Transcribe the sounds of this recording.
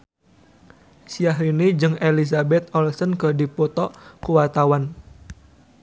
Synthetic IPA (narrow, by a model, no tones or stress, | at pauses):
siaɦinid͡ʒɨŋelisabɛt̪̚ɔlsənkədipɔt̪ɔʔkuwat̪awan